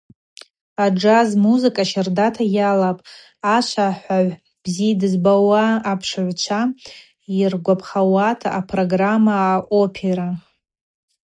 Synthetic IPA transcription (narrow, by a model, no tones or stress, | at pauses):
ad͡ʒazmuzɨkʼaʃardatʰajalapʼ | at͡ʃʷʰaħʷaʕʷ | b̥zidɨzbawaːpʰʂʕʷt͡ʃʷʰa | irɡʷapʰχawatʰaʔːpʰro̞ɡramaːʔopʰeɾa